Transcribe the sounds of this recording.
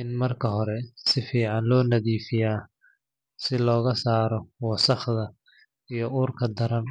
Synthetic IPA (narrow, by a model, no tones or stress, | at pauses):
ɪnmɐrkʰɐɦɔɾɛsɪfiːʕɑnlɔːnɐðiːfɪjaː | sɪlɔːɣɐsaːɾɔwɑsɐχðɐ | ijɞuːrkʰɐd̪ɐɾɐn